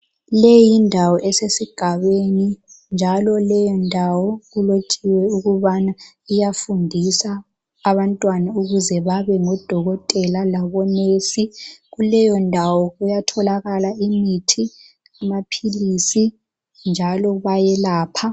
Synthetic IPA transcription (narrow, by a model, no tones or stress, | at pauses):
lejindʱawɔʔɛsesiɡ̥ʱaβeni | nd͡ʒʱalɔlɛjɔndʱawɔɣulot͡ʃʼiwɛuɣuβana | ijafundʱisaː | βantʼwanauɣuzɛβaβɛŋɔd̥ʱɔɣɔtʼɛlalaβɔnesiɣulɛjɔndʱawɔɣujatʰɔlaɣalaimitʰi | amapʰilisi | nd͡ʒʱalɔβajɛlaːpʰa